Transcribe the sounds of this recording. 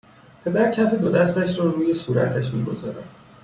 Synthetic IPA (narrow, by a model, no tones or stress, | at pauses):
pʰe̞d̪æɾcʰæfed̪od̪æst̪æʃɾɒːɾuːje̞suːɾæ̰t̪ʰæʃmḭːɡo̞zɒːɾæm